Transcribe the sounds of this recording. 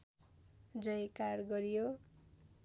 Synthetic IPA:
d͡zʌjkarɡʌɾijo

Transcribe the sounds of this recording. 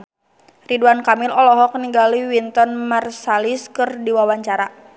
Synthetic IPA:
riduankamɪlɔlɔɦɔkniɡaliwint̪ɔnmarsaliskɨrdiwawaɲt͡ʃaɾa

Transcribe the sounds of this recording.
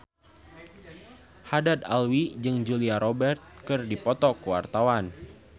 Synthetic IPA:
hadad̪a̰lwid͡ʒɨŋd͡ʒuliaɾɔbɛrt̪̚kɨrdipɔt̪ɔkəwa̰rt̪awan

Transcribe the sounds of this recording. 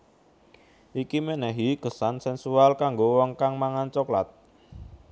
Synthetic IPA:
ʔikimɛnɛɦiɡ̥əsansɛnsualkaŋɡowɔŋkaŋmaŋant͡ʃɔklat̪̚

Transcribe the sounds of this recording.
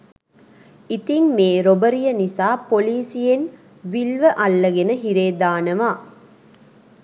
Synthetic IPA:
it̪iŋmeːɾobəɾijɐnisaːpoliːsijen | ʋilʋəʔɐlːɐɡenəɦiɾeːd̪aːnəʋaː

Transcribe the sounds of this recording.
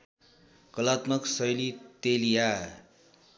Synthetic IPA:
kʌlat̪mʌksʌjlit̪elija

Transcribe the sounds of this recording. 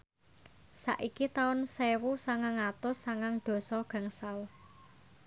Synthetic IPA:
sa̰ʔikit̪aʊnsewusaŋaŋat̪ʊsaŋaŋɖ̪̥ɔ̤sɔɡ̥ä̤ŋsal

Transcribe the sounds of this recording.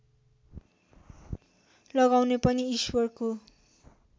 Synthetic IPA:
lʌɡawnepʌniiswʌrko

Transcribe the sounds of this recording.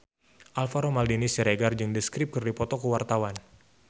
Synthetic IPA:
ʔalfaɾomaldinisiɾeɡard͡ʒɨŋdəskɾɪp̚kɨrdipɔt̪ɔkəwart̪awan

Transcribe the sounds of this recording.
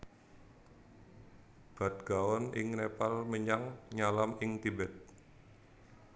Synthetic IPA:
b̥a̤t̪̚ɡ̥awɔnʔɪŋnepalməɲaŋɲalamɪŋt̪ibɛt̪̚

